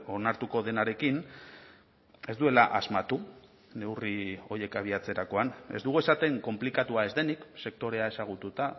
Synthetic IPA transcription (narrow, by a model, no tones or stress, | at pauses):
o̞naɾt̪uko̞ðe̞naɾe̞kin | e̞zd̪ue̞laʔazmat̪u | ne̞wrio̞je̞kaβ̞iat͡se̞ɾako̞ane̞zd̪uɣuesat̪e̞ŋko̞mplikat̪uae̞zd̪e̞nikse̞k̚t̪o̞ɾe̞ae̞saɣ̞ut̪ut̪a